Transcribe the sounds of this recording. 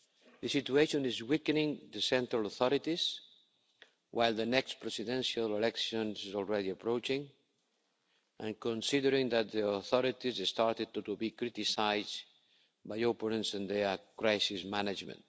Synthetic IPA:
ðəsit̪ueʃõnizwikənĩŋðəsɛ̃nt̪ɾaloθɔɾit̪iz | wʔajlˠd̪ənɛkspɾɛsid̪ɛ̃nʃalelɛkʃõnzizɔlˠɹɛðiapɾowt͡ʃĩŋ | ʔã̰nkõnsiðəɾĩŋd̪at̪̚d̪ioθɔɾit̪izest̪aɾt̪eubikɾit̪isajz | bajopənə̃nsĩnd̪ekɾajsizmanad͡ʒmə̰̃nt̪

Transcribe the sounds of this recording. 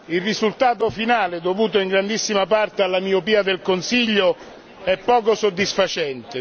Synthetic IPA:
ilrizult̪aːt̪ofinaːled̪ovuːt̪oiŋɡɾand̪isːimapart̪ealːamiopiːad̪elkonsiʎːo | ɛpːɔːkosod̪ːisfat͡ʃɛnt̪e

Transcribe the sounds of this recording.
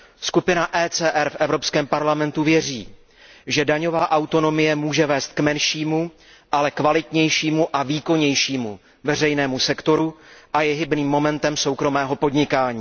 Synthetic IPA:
skupɪnaʔɛːt͡sɛːʔɛɾfʔɛvɾo̞pskɛːmpaɾlamɛnt̪uvjɛrḭː | ʒɛdaɲo̞vaːʔawt̪o̞no̞mɪjɛmuːʒɛvɛːst̪̚kmɛnʃiːmu | ʔalɛkvalɪt̪ɲɛjʃiːmuʔaviːko̞ɲɛjʃiːmṵ | vɛr̝ɛjnɛːmusɛkt̪o̞ɾuʔajɛɦɪbniːmːo̞mɛnt̪ɛmso̞wkɾo̞mɛːɦo̞po̞dɲɪkaːɲiː

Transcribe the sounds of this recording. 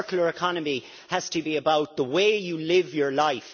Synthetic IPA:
kjl̩ə˞ɪkʰɑnəmi | həz̥tʰəbiəbaʊt̪̚ðəweɪjəlɪvjə˞laɪf

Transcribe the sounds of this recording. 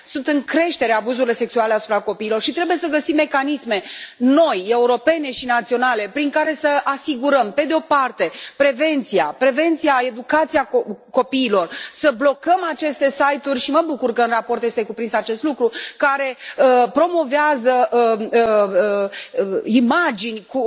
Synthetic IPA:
sunt̪ɨŋkɾe̞ʃt̪e̞ɾeabuzuɾilo̞se̞ksuale̞asupɾako̞piːlo̞rʃit̪ɾe̞buje̞səɡəsimːe̞kanisme̞no̞je̞uɾo̞pe̞ne̞ʃinat̪sio̞nale̞pɾiŋkaɾe̞səasiɡuɾəmpe̞d̪eo̞part̪e̞pɾe̞ve̞nt̪siapɾe̞ve̞nt̪sijae̞d̪ukat̪siako̞piːlo̞rsəblo̞kəmat͡ʃe̞st̪e̞sajt̪urʲʃiməbukurkəɨnrapo̞rt̪je̞st̪e̞kupɾinsat͡ʃe̞st̪lukɾukaɾe̞əpɾo̞mo̞veazəəəə | imad͡ʒinʲku

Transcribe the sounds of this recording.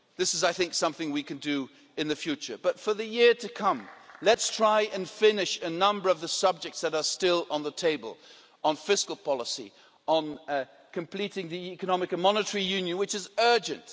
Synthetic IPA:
ðɪsɨzaɪθɪ̃ŋksʌ̃mθɪ̃ŋwikɨ̃ndɨ | ɨ̃nðɨfjʉt͡ʃə̰˞bʌtfə˞ðɨjɪɹɾɨkʰʌ̃mlɨtstʰɹ̥aɪʔɨ̃nfɪ̃nɪʃɨnʌ̃mbə˞ʌvðəsʌb̚d͡ʒɨk̚tsðɨɾə˞stɪlˠə̃nðətʰeɪbə̰lˠ | ə̃nfɪskl̩ˠpʰɑlˠəsḭ | ə̃n | kʰɨ̃m̩pʰl̥iɾɪ̃ŋðiikɨnɑmɨkɨ̃nmɑnɨtə˞ijʉ̃njɨ̃nwɨt͡ʃɨzɜ˞d͡ʒɨ̰̃nt

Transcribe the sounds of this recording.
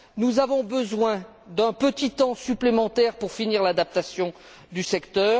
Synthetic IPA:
nuzavɔ̃bəzwɛ̃ | d̪ɛ̃pət̪it̪ɑ̃syplemɑ̃t̪ɛʁpuʁfiniʁlad̪ap̚t̪asjɔ̃ | d̪ysɛkt̪œːʁ

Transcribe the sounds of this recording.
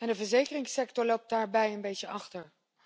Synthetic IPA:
ɛndəvəɹzejkərɪŋsɛktɔɹlowp̚daːɹbɛjənbejtəɑχtəɹ

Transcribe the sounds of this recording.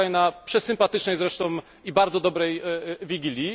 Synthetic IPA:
ajnapʂɛsɘmpat̪ɘt͡ʂnɛjzɾɛʂt̪ɔ̃w̃ | ibaɾd̪zɔd̪ɔbɾɛjvʲiɡʲilʲji

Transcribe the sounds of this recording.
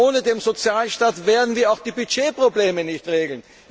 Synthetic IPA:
oːnədeːmzot͡sjaːlʃtaːtveːɐdn̩viːɐaʊxd̥iːbyd͡ʒeːpʁ̥obleːmənɪçtʁeːɡl̩n

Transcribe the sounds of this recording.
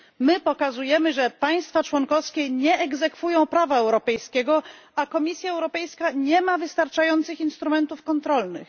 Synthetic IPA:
mɘpɔkazujɛmɘʐɛpaj̃st̪fat͡ʂwɔŋkɔfskʲɛɲɛɛɡzɛkfujɔ̃w̃pɾavaɛwɾɔpɛjskʲɛɡɔ | akɔmʲisʲjaɛwɾɔpɛjskaɲɛmavɘst̪aɾt͡ʂajɔnt̪sɘxinst̪ɾumɛnt̪ufkɔnt̪ɾɔlnɘ̰x

